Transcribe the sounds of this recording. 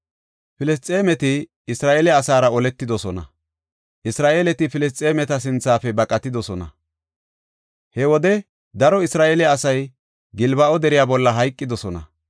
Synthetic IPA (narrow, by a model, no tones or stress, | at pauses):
fɪlɛst͡sʼe̞ːmɛt̪ɪː | sɾaːʔelɛɐsaːɾɐɔlɛt̪ːɪd̪ɔsɔnɐ̰ | ʔɪsɾaːʔeːlɛt̪ɪfɪlɛs̬t͡sʼeːmɛt̪ɐs̬ɪnt͡sːaːfɛbɐkʼɐt̪ːɪd̪ɔsɔnɐ̰ | hɛwɔd̪ɛ | d̪ɐɾɔɪsɾaːʔeːlɛɐsɐj | ɡɪlbɐʔɔd̪ɛɾɪjaːbɔlːɐɦɐjkʼːɪd̪ɔsɔnɐ̰